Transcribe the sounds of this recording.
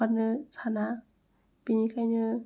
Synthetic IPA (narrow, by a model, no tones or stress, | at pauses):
anɯsʰana | pinikʰajnɯ